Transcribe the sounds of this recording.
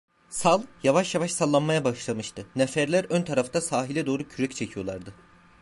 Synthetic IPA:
salˠjavaʃjavaʃsalˠːanmajabaɯʃlˠamɯʃt̪ʰɯnɛfæɾlʲæɾønt̪ʰaɾaft̪ʰasaːɦilʲɛd̪o̞ːɾucʰyɾɛct͡ʃʰecʰijo̞lˠaɾd̪ɯ

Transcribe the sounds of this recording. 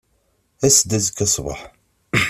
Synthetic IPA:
æsd̪æzəkːæsˤvɑ̰ħ

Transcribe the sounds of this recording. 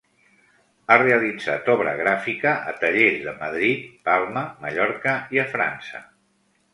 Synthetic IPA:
areəlid͡za̰t̪ɔβ̞ɾə̰ɣɾafikəʔət̪əʎezðəməðɾit̪̚palˠməməʎɔɾkəiəfɾa̰nsə̰

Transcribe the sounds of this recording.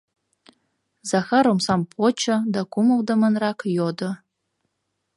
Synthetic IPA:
zɑxɑɾomsampʰot͡ʃʰəd̪akuməlˠd̪əmənrɑkjod̪ə

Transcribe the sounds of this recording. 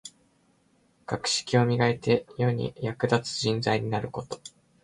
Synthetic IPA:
kakɯ̟̥ɕi̥kʲio̞mʲiɡaet̪e̞jo̞ɲ̟ḭjakɯ̟d̪at͡sɨ̥ʑĩnd͡zaiɲ̟inaɾɯ̟ko̞t̪o̞̥

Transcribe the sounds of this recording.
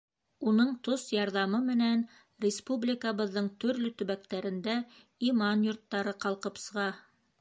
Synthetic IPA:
unɤɴt̪osjɑɾðɑmɤmɘ̆næn | rʲɪspublʲɪkəβɤ̆ðːɤɴt̪ɵ̆ɾlɵt̪ɵ̆βæk̚t̪æɾɘ̆nd̪æ | imɑnjŏɾt̪ːɑɾɤqɑlˠqɤpsɤ̆ʁɑ

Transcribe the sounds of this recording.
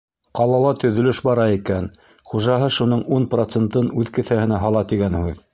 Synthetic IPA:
qɑlˠɑlˠɑt̪ɵ̆ðɵ̆lɵʃbɑɾɑikæn | χuʒɑɦɤʃunɤɴunprot̪sent̪ɤnʉðkɘ̆θæhɘ̆næɦɑlˠɑt̪iɡænhʉð

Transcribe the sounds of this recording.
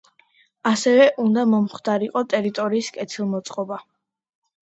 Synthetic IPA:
asɛvɛʔund̪amɔmχd̪aɾiqʼɔt̪ʼɛɾit̪ʼɔɾiːskʼɛt̪ʰilˠmɔt̪sʼqʼɔba

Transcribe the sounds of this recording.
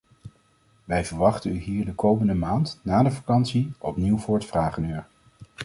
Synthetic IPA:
ʋɛjvəɹʋɑχtənyɦiːɹdəkowməndəmaːntnaːdəvakɑnsiʔɔpniwvʊːɹətfraːχənyːɹ

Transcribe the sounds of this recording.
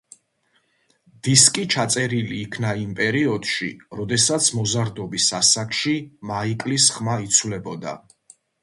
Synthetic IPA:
d̪̥iskʼit͡ʃʰat̪sʼɛɾiliːkʰnaimpʼɛɾiɔd̪̥ʃḭɾɔd̪ɛsat̪sʰmɔzaɾd̪ɔbisasakʰʃimaikʼlisχmait̪sʰwlɛbɔd̪a̰

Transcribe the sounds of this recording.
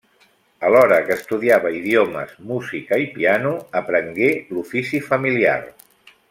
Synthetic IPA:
əlɔɾəkəst̪uðiaβəiðiomə̰zmuzikəipianuəpɾəŋɡelufisifəmilia̰r

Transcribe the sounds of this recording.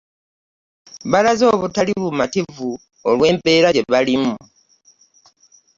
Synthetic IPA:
βalazo̞ːβutaliβumativu | olwe̞ːmpe̞ːɾaɟe̞βalimu

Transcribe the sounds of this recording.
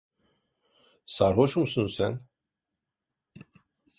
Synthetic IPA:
saɾɦɔʃumsɨnsɛn

